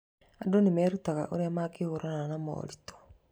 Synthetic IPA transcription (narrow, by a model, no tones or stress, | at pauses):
adonemɛːɾutaɣa̰ʔoɾeamaɡehoɾananamɔ̰ːɾitɔ̥